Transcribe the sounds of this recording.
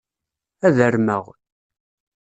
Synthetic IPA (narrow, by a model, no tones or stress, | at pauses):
æðəɾməʁ